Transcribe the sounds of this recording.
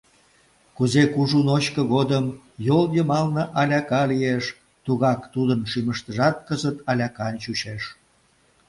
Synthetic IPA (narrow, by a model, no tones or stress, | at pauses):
kuzekuʒunoɕkəɣod̪əm | joljəmɑlnə̆ʔɑlʲɑkɑlijeʃ | t̪uɣɑkt̪ud̪ənʃyməʃt̪əʒɑt̪̚kəzət̪ɑlʲɑkɑnt͡ɕuɕeʃ